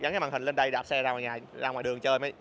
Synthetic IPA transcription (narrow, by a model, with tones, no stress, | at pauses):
ɣa˨˦ŋkːmaː˨˩hi˨˩ŋle˧nɗə˧jɗaː˨˩p̚sɛ˧zaː˧waː˨˩ɲaː˨˩zaː˧waː˨ɗɨ˨˩əŋt͡ɕəː˧jma˨˦j